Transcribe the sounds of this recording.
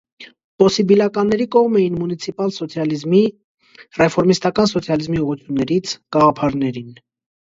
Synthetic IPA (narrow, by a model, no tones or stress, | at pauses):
pɔsibilɑkɑnːɛɾikɔʁmɛjinmunit͡sʰipɑlsɔt͡sʰjɑlizmi | rɛfɔɾmist̪ɑkɑnsɔt͡sʰjɑlizmiuʁut͡sʰjunːɛɾit͡sʰɡ̥ɑʁɑpʰɑɾnɛɾin